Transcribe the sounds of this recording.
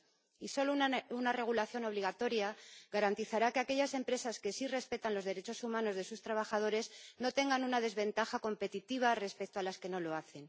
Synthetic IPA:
iso̞lounare̞ɣ̞ulaθjo̞no̞β̞liɣ̞at̪o̞ɾjaɣaɾant̪iθaɾakeake̞ʝase̞mpɾe̞saske̞sire̞spe̞t̪anlo̞zðe̞ɾe̞t͡ʃo̞sumãno̞zðe̞sust̪ɾaβaxað̞o̞ɾe̞zno̞t̪e̞ŋɡanunaðe̞zβẽ̞nt̪axako̞mpe̞t̪it̪iβ̞are̞spe̞k̚t̪oalaske̞no̞lo̞aθe̞n

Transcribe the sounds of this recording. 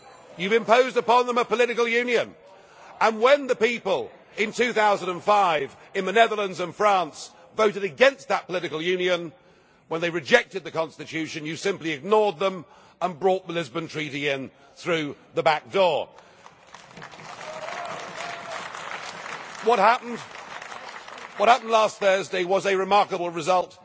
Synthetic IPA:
jʉvɨ̃mpoʊzdəpɑ̃nðə̃məpəlɪɾɨkl̩ˠjʉ̃njɨ̃n | ə̃nwə̃nðɨpipəlˠ | ɪ̃ntʰʉθaʊzə̃n̩də̃nfaɪv | ɨ̃nmɨnɛðə˞lˠə̃ndzə̃nfɹæ̃ns | voʊɾɨɾɨɡɛ̃nst̪̚ðət̚pʰəlɪɾɨkl̩ˠjʉ̃njɨ̃n | wə̃nðeɪɹɨd͡ʒɛk̚tɨd̪̚ðɨkɑ̃nstɨtʰʉʃɨ̃njɨsɪ̃mpliɨɡ̚nɔɹd̪̚ðə̃m | ə̃nbɹɔt̪̚ðəlɪzbə̃ntʰɹ̥iɾiɪ̃n | θɹʉðəbæk̚d̥ɔɹ | wʌt̚hæpn̩d | wʌt̚hæpn̩dˡlæstθɜ˞zdeɪwʌzɨɹɨmɑɹkəbl̩ˠɹɨzʌlˠt

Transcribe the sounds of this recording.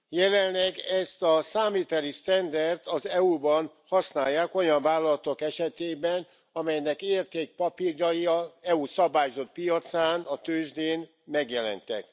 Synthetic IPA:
jɛlɛnlɛɡɛst̪ɒsaːmiːt̪ɛlist̪ɛnd̪ɛrt̪ɒzɛubɒn | hɒsnaːjːaːko̞jɒɱvaːlːɒlɒt̪o̞kɛʃɛt̪eːbɛn | ɒmɛjnɛkeːrt̪eːk̚pɒpirjɒjiɒɛusɒbaːjzo̞t̪̚pijɒt̪saːnɒt̪øːʒd̪eːn | mɛɡjɛlɛ̰nt̪ɛ̰k

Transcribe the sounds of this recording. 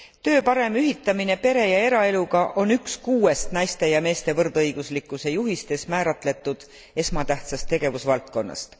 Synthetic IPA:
t̪ø̞ːpɑɾe̞myɦit̪ˑːɑminepe̞ɾe̞jɑe̞ɾɑe̞luɡɑʔo̞nykskuːe̞st̪nɑjst̪e̞jɑme̞ːst̪e̞vɤrd̪̥ɤjɡ̥uslikːˑuse̞juɦist̪e̞smæːɾɑt̪ˑle̞t̪ːˑud̪̥ | e̞smɑt̪æht̪sɑst̪ːe̞ɡ̥e̞vusvɑlt̪̚ko̞nːɑ̰st̪

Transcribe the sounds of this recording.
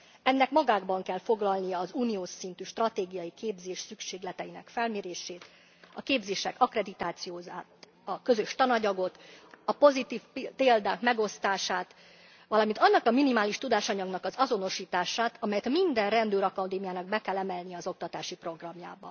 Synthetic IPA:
ɛnːɛkmɒɡaːɡbɒŋkɛlfo̞ɡlɒlnijɒːzuːnijoːʃint̪yʃt̪rɒt̪eːɡijɒjikeːbzeːʃsykʃeːɡlɛt̪ɛjinɛ̰kfɛlmeːɾeːʃeːt̪ | ɒkeːbzeːʃɛkɒkrɛd̪it̪aːt̪sijoːzaːt̪ | ɒkø̞zø̞ʃt̪ɒnɒɟɒɡo̞t̪ɒpo̞zit̪iːfppeːld̪aːkmɛɡo̞st̪aːʃaːt̪ | ʋɒlɒmint̪ɒnːɒkɒminimaːliʃt̪ud̪aːʃɒɲɒɡnɒkɒzɒzo̞no̞ʃiːt̪aːʃaːt̪ɒmɛjɛt̪mind̪ɛnrɛnd̪øːɾɒkɒd̪eːmijaːnɒɡ̚bɛkɛlːɛmɛlnijɛːzo̞k̚t̪ɒt̪aːʃipro̞ɡrɒmja̰ːbɒ

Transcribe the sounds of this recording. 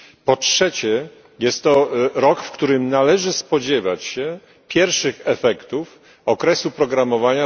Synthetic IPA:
pɔtʂɛt͡ɕɛ | jɛst̪ːɔɾɔkfkt̪uɾɘmnalɛʐɘspɔd͡ʑɛva̰t͡ɕɕɛ | pʲjɛɾfʂɘxɛfɛkt̪uf | ɔkɾɛsupɾɔɡɾamɔvaɲa

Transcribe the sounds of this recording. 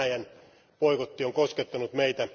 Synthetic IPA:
æjæn | poikot̪ːioŋkosket̪ːɑnut̪meit̪æ

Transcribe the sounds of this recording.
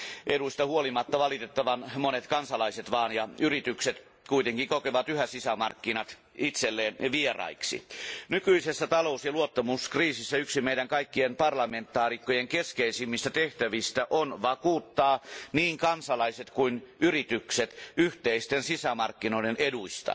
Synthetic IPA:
ʔeduist̪ɑhuolimɑt̪ːɑʋɑlit̪et̪ːɑʋɑnmonet̪kɑnsɑlɑiset̪ʋɑːnjɑyrit̪ykset̪ | kuit̪eŋkikokeʋɑt̪yhæsisæmɑ̰rkːinɑt̪ | it̪selːeːnʋierɑ̰iksḭnykyisesːæt̪ɑlousjɑluot̪ːɑmuskriːsisːæyksimeiɾæŋkɑikːienpɑrlɑment̪ːˑɑːrikːojeŋkeskeisimːist̪æt̪eht̪æʋist̪æʔonʋɑkuːt̪ːɑːniːŋkɑnsɑlɑiset̪kuinyrit̪ykset̪yht̪eist̪ensisæmɑrkːinoideneduist̪ɑ̰

